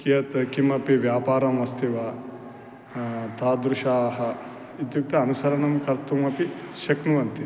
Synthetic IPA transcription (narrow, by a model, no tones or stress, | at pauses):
kijɐt̪kimɐpiʋjaːpaːɾɐmʋɐst̪ʰiʋa | t̪ʰaːd̪ɾuʃaːɦɐ | id̪juk̚t̪ɐːnusɐɾɐɳɐmkɐɾt̪umɐpiʃɐknuʋɐnt̪i